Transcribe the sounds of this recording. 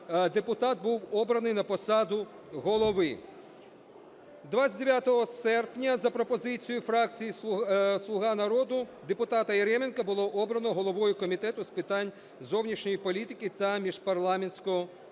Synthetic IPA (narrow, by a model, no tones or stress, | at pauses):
d̪epʊt̪ɑt̪̚buwɔbɾɐnɪjnɐpɔsɑd̪ʊ | ɦɔlˠɔʋɪ | d̪ʋat͡sʲɐd̪ʲeʋʲjat̪ɔɦɔsɛrpnʲɐzɐpɾɔpɔzɪt͡sʲijʊfɾɑk̚t͡sʲijislˠʊɦɑnɐɾɔd̪ʊd̪epʊt̪ɑt̪ɐjeɾɛmenkɐbʊlˠɔʔɔbɾɐnɔɦɔlˠɔʋɔjʊkɔmʲit̪ɛt̪ʊspɪt̪ɑnʲ | zɔwnʲiʃnʲɔjipɔlʲit̪ɪkʲit̪ɐmʲiʒ̥pɐrlˠɑmenʲsʲkɔɦɔ